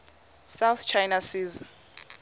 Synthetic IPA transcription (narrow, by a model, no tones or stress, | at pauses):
sawθt͡ʃʰajnasiːz